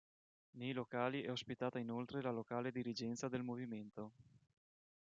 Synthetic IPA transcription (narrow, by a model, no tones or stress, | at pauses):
nejlokaːliɛospit̪aːt̪ainolt̪ɾelalokaːled̪iɾid͡ʒɛnt̪sad̪elmoviment̪o